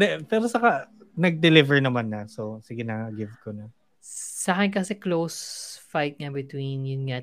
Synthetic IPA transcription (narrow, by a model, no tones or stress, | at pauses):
d̪ɛpɛːɾosɐkanɐɡ̚d̪ɛlɪvɛɹnɐmanːɐsosɪɡɪnaŋɐɡɪvkonɐ | sakɐnkɐsɛklowsfajt̪̚ŋabɪt̪winjʊnŋa